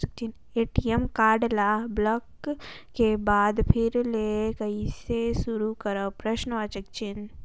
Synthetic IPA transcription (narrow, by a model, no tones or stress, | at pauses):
ək̚t͡ʃin | eːʈijemkaːɾɖlablɐkː | ebaːd̪pʰɪɾlekɐisesʊɾukɐɾapɾɐʃnəʋaːt͡ʃək̚t͡ʃɪn